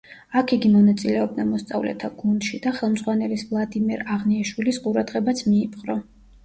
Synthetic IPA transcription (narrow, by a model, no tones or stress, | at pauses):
akʰiɡimɔnat̪sʼilɛɔb̪̚namɔst̪sʼa̰vlɛ̰t̪ʰaɡ̥und̪̥ʃid̪aχɛlˠmd̪zʁwanɛlisvlˠad̪imɛɾaʁniaʃwilisqʼuɾad̪ʁɛbat̪sʰmiːpʰʼqʼɾɔ